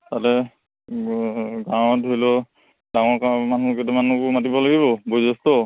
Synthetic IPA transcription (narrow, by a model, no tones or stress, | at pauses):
tatɛ | ɡaw̃ɔtɔjlɔ | daŋɔɹkamanukɛtɔmanukʊmatibɔlaɡiβɔbojzɔstɔ